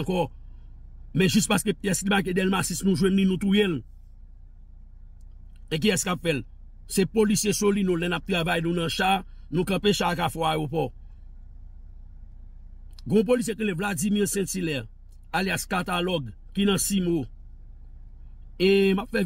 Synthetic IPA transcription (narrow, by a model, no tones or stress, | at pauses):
kɔ | mɛ̃ʒyspaskepjɛslimak̬edɛlmasisnũʒwɛ̃nlĩnũt̪ujɛ̃l | ek̬iɛskapfɛl | sepolisjesolinõlɛ̃nap̚t̪ʁavajnũnɐ̃ʃanũkɐ̃peʃak̬afɔaopɔ | ɡõp̬olis̬jetĩlevlad͡zimiʁsɛ̃silɛ | aljaskat̪alɔɡ | kinɐ̃simo | emapfɛ